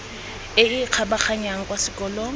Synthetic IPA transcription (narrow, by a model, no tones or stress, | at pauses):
ɪɪq͡χʰabaχaɲaŋ̩kʼwasɪkʼɔlɔ